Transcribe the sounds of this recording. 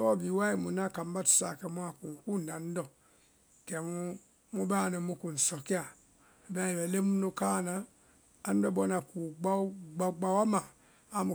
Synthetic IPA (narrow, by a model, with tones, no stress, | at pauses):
ɔ˦bi˨wa˦i˦˨mu˨na˦˨ka˨m˦ba˦tu̥˨˦sa˨kɛ˨mu˦a˨ku˨ku˦˨n˨da˨n̩˦dɔ˨ | kɛ˨mu˦ | mu˦ba˦˨nɔ˨mu˦ku˨n̩˨sɔ˨ki˦a˨ | ba˦i˨bɛ˨le˦mu˦nu˦ka˦˨na˦ | a˨n˦dɔ˦bɔ˦na˨ku˨ɡ͡ba˦ɡ͡ba˨ɡ͡ba˨wa˦ma˨ | a˦mu˨